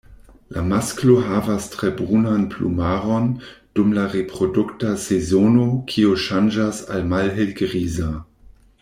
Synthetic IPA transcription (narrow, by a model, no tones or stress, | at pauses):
lʔamaskloɦaːvastʁ̥ebʁunanpʰlṵmaːʁond̥umlaʁepʁ̥oduktasezonokʰioʃand͡ʒasa̰lmalɦelɡʁiːza